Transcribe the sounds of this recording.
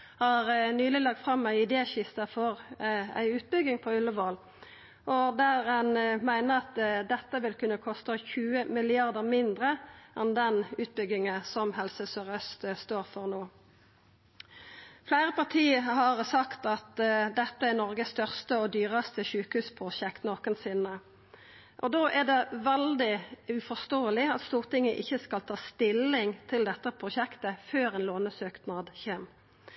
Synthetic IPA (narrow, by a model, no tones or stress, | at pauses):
hɑʁnyːlɪlɑɡ̚t̪fʁɑmæɪɪd̪eːçɪst̪ɑfɔʁæ̰ɪʉːt̪̚bʏɡɪŋpʰɔʉlːəʋoːl | ʔɔd̪æːʁɛnmæɪnəʁɑt̪d̪ɛt̪ːəʋɪlkʉnːəkʰɔst̪əçʉːəmɪlɪɑʁd̪əʁmɪnd̪ʁəʔɛnd̪ɛnʉːt̪̚bʏɡɪŋəsɔmhɛlsəsøʁœst̪st̪oːʁfɔʁnoː | flæɪʁəpɑʁt̪ʰiːəhɑʁsɑkt̪ɑt̪d̪ɛt̪ːəæʁnɔʁɡəsst̪œʁst̪əɔd̪yːʁəst̪əʃʉːkəhʉːspʰʁʊʃɛkt̪noːkənsɪnə | ʔɔd̪oːʔæʁd̪ɛʋɛld̪ɪʉfɔst̪oːəlɪɑt̪st̪uːʁt̪ɪŋːəʔɪçːəskɑlt̪ʰɑːst̪ɪlːɪŋt̪ʰɪld̪ɛt̪ːəpʰʁʊʃɛkt̪əføːʁɛːnloːnəsøːkt̪nɑːd̪çeːm